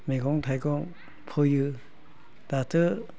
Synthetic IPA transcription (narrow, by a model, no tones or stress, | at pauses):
meɡɔŋtʰajɡɔŋ | pʰɔjɯ | d̥atʰɯ